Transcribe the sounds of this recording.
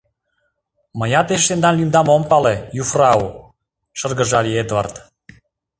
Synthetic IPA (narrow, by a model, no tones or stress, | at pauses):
məjɑt̪eʃt̪end̪ɑnlimd̪ɑmompɑlejufrɑu | ʃərɡə̆ʒɑlʲied̪vɑ̰rt̪